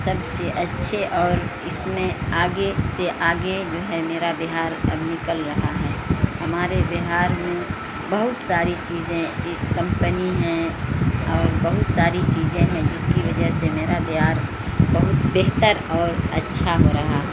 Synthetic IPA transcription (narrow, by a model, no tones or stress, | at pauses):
sɐbseʔɐtːʃʰeʔɔːɾ | ɪsmẽaːɡeseʔaːɡed͡ʒoːɦɛmeːɾabɪɦaːɾɐ̰bnɪkəlɾɐɦaɦɛːɦɐmaːɾebɪɦaːɾmẽ | bɐɦʊt̪saːɾit͡ʃiːzẽ | kɐ̃mpəniɦɛ̃ | ɔːɾbɐɦʊt̪saːɾit͡ʃiːzẽɦɛ̃d͡ʒɪskiʋɐd͡ʒəɦsemeːɾabɪɦaːɾ | bɐɦʊt̪beːɦt̪əɾɔːɾɐtːʃʰaɦoɾɐɦaɦɛ